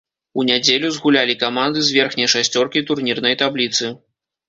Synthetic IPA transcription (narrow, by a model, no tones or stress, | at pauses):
unʲad͡zʲelʲuzɣulʲalʲikamand̪ɨzʲvʲɛrxnʲɐjʂasʲt͡sʲɔrkʲit̪urnʲirnɐjt̪ablʲit̪sɨ